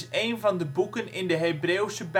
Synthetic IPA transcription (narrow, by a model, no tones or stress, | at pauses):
sejnvɑndəbukənɪndəɦebreːwsəb